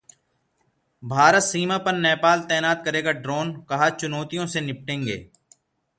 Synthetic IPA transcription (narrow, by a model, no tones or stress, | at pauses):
bʱaːɾət̪siːmãːpəɾnɛːpaːlt̪ɛːnaːt̪̚kəɾeːɡaɖɾoːnkɐɦat͡ʃʊnɔːt̪ijõsenɪp̚ʈẽːŋɡḛː